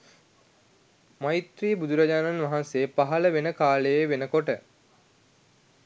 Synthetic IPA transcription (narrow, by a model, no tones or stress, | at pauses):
mait̪ɾiːəbud̪uɾad͡ʑaːnanʋaɦanseːpaɦɐləʋenəkaːləjeʋenəkoʈə